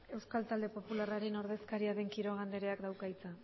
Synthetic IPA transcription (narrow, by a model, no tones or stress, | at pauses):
e̞wskalt̪ald̪e̞po̞pularaɾeno̞ɾðe̞skaɾiaɾe̞ŋkiɾo̞ɣ̞and̪e̞ɾe̞akd̪awkajt͡sa